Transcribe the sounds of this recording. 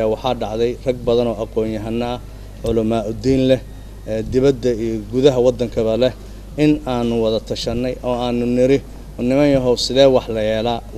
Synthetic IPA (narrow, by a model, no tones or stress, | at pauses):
aːwɑħɑːɖɑʕðɛjr̥ɐɡ̚bɐðɐnɔːʔɑqɔːnjɐɦɐnːɐɐ | ʕʊlɐmɐʔʊd̪iːnlɛh | ɛːd̪ɪβɐd̪ːɐijɔɡuðɐɦɐwɑd̪ːɐŋkʰɐβɐlɛh | ʔɪnaːnʊwɑðɐt̪ʰɐʃɐnːɛjʔɔːaːnʊnɪɾɪ | ɔnɪmɐnjɔɦɔwsɪðɛːwɑħlɐjɛːlaː